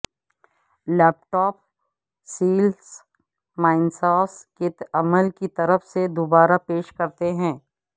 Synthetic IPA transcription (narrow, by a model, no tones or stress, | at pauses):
lɛːp̚ʈɔːp̚ | siːls | maːɪnsaːsket̪ɐməlkit̪ɐɾəfsed̪obaːɾapeːʃkɐɾt̪eɦɛ̃ː